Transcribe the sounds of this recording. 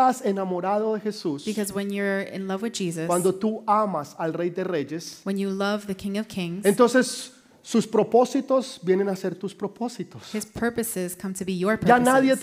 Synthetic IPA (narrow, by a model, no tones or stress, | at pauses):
asenamoɾaðoðexesusb̥ikʰʌzwə̃njə˞ɪ̰̃nlʌvwɨðd͡ʒizɨswand̪ot̪uamasalrejd̪e̞reʝeswɨ̃njɨlʌvðɨkʰɪ̃ŋʌv̥kʰɪ̃ŋzent̪o̞nsesː | uspɾopo̞sit̪o̞sbje̞nenase̞ɾt̪uspɾoposit̪oshɪz̥pʰɜ˞pɨsɪz̥kʰʌ̃mtʰɨbijə˞pʰanaðje